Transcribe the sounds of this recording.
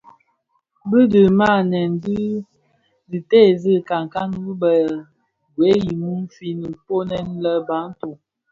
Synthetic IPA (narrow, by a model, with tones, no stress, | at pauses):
bə˦də˨ma˦˨nɛ˨n˨di˦ | zi˨tɛ˦˨zə˦ka˨ŋka˦n˦bə˨ | ɡwe˨˦ji˨mu˦mfi˦ni˨po˦nɛ˦n˦lə˦ba˨˦n˦tu˨